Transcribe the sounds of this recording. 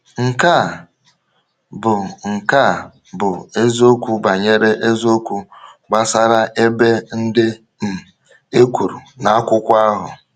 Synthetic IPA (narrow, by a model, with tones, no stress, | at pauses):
ŋ̩˨ka˦˨ | bʊ˨ŋ̩˨ka˦˨ | bʊ˨e˦zo˦kʷu˦ba˨ɲe˦ɾe˦ʔe˦zo˦kʷu˦ɡ͡ba˦sa˦ɾa˦ʔe˦be˦n̩˦dɪ˦ | m̩˨ | e˦kʷu˨ɾu˨na˨a˦kʷʊ˦kʷa˦ɦʊ̰˨